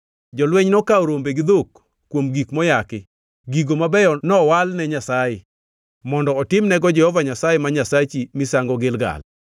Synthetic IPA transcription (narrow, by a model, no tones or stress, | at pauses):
d͡ʒɔlwɛɲnɔkaoɾombeɡɪd̪okː | womɡikmɔjakɪ | ɡiɡomabɛjɔnɔwalnɛɲasajɪ | mɔndɔːtɪmnɛɡɔd͡ʒɛhɔvaɲasajemaɲasat͡ʃimɪsaŋɡɔɡɪlɡa̰l